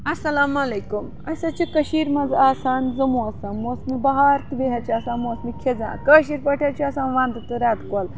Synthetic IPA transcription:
ɐsɐlamɐlekum | ɐsat͡ɕikəɕiːɾmɐd͡zaːsaːnd͡zɐmuɐsãnmosmibɐɦaɾt̪ʋeɦat͡ɕiasãnmosmikʰed͡zã̰kəɕ̬iːɾpəʈʰjat͡ɕiasãnʋãnd̪ət̪əɾad̪kol

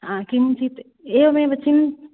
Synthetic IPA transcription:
ɦãkimt͡ʃʰit̪ | eomẽbət͡ʃin

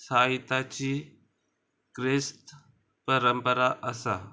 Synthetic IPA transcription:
saːɪt̪at͡ɕiː | kɾɪst̪ | pəɾəmpəɾaʔəsaː

